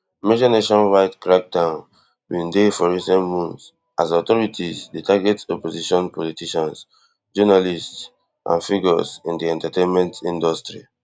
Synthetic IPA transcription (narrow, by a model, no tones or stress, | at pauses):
med͡ʒaneʃɔ̃nwaɪtkɹak̚dãʊn | wĩndefɔɹisɛ̃ntmũns | ʔazɔtɔɹitʰizdetʰaɡɛtɔpoziʃɔ̃npʰɔlitiʃãns | d͡ʒɔnalists | ʔã̰nfiɡɔ̰sĩndiɛ̃ntatẽnmɛ̃ntĩndɔstɹi